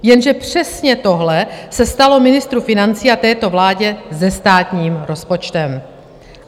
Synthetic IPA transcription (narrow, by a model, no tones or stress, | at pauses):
jɛnʒɛpr̝̥ɛsɲɛt̪o̞ɦlɛsɛst̪alo̞mɪnɪst̪ɾufɪnant͡siːat̪ɛːt̪o̞vlaːɟɛzɛst̪aːt̪ɲiːmɾo̞spo̞t͡ʃt̪ɛm